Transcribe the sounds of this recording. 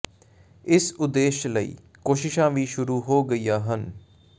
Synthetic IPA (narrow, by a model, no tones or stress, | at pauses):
ɪsʊd̪eːʃləḭː | koːʃɪʃãːʋiːʃʊɾuːɦoːɡəiːjaːɦən